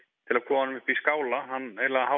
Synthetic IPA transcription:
t̪ʰɪlaðkʰɔːmanʏmʏhpiskaːwlaɦanːeɾlɛɣaha

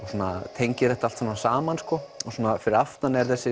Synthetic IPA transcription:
ɔsuɔna̰t̪ʰejɲcɪɾɛht̪aal̥t̪samnasaːmanskɔɔsɔːnafɪɾɪɾaft̪nanɛɾθɛsːɪ

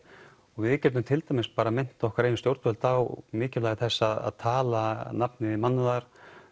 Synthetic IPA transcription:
ɔɣvɪɪcɛːt̪ʏmt̪ʰɪlt̪ajmɪspaːɾamɪn̥t̪aɔhkvaɾejnst̪jowɾt̪vœlt̪awmɪːcɪlajɣɪθɛsːaða̰ðt̪ʰaːlanapnɪmanːʏðaɾ̥

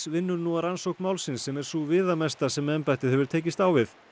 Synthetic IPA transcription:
vɪnːʏɾnuaɾansowhkmaːwlsɪnsːɛmɛɾ̥suːvɪːðamɛst̪asɛmɛmpaht̪ɪðhɛvʏɾt̪ʰeːjcɪst̪aːwvɪθ

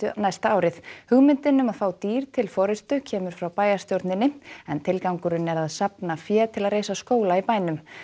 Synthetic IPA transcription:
najst̪aaːwɾɪθhʏɣmɪnt̪ɪnːʏmaðfaːwt̪iːɾ̥t̪ʰɪlfɔɾɪst̪ʏcʰɛːmʏɾ̥fɾawpaːjast̪jowɾt̪nɪnːɪɛnt̪ʰɪlkawŋkʏɾʏnɛɾaðsapnafjɛːt̪ʰɪlaðreːjsaskoːwlaipaːjnʏm

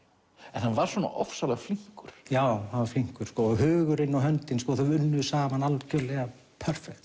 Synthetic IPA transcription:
ɛnhanvaɾ̥svɔna̰ʔɔ̰fsalaɣfliŋ̥kʏɾ̥jaːwhanvaɾfliŋ̥kʏɾ̥skɔːɔɣɦʏːɣʏɾɪnːawɦœnt̪ɪnskɔːθaʏnːʏsaːmanalcʰœlɛɣa | pʰœr̥fɛk̚t̪

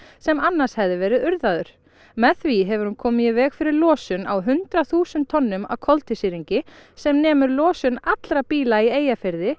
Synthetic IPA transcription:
sɛmanːashɛvðɪvɛːɾɪðʏɾðaðʏɾ̥ | mɛθviɦɛvʏɾ̥hunkʰɔːmɪjɪvɛːɣfɪɾɪɾlɔːsʏna̰wɦʏnt̪ɾaθuːsʏnt̪ʰːɔnːʏma̰wkʰɔlt̪ɪsiɾiɲcɪsɛmnɛːmʏɾlɔːsʏnat̪lɾapiːlaieːjafɪɾðɪ

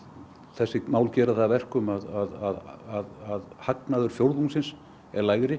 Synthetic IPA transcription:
θɛsːɪmaːwlcɛːɾaθaðːvɛr̥kʏmaðaðaðaðaðhaknaðʏɾ̥fjowɾðuŋsɪns | ɛɾlaːjɣɾɪ

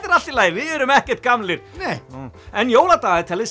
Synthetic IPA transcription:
t̪ɪɾal̥t̪ɪlaːjɪvɪðɛɾʏmɛhcɛɾ̥t̪̚kamlɪɾ̥ | ɛnjoːwlat̪aːɣɛðt̪ʰɛlɪs

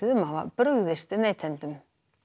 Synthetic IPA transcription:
ɪðʏmaːva̰pɾʏɣðɪst̪ɪðneːt̪ʰɛnt̪ʏm

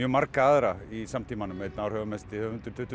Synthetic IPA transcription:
jœmaɾkaaːðɾaisamt̪ʰiːmanʏmɛt̪naːwɾhœːvʏmɛst̪ɪhœːʏnt̪ʏɾ̥t̪ʰʏht̪ːʏ

